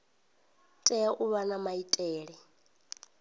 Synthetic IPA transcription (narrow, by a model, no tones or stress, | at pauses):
tʼɛaʔuβanamaitʼɛːɺɛ